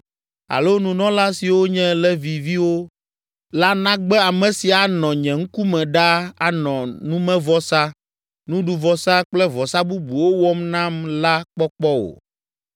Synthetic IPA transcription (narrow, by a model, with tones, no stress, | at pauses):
a̰˨lo˦nũ˨nɔ̃˦la˦si˨wo˦ɲɛ̃˦lɛ˦vi˨vi˦wo˦ | la˦nã˦ɡ͡bɛ˦a˨mɛ̃˨si˨a˨nɔ̃˨ɲɛ̃˨ŋ̩˦ku˦mɛ̃˨ɖa˦a˨nɔ̃˨nũ˦mɛ̃˦vɔ˦sa˦ | nũ˦ɖu˨vɔ˨sa˦k͡plɛ˦vɔ˨sa˦bu˦bu˨wo˦wɔ˦mnã˦mla˦k͡pɔ˦k͡pɔ˦o̰˨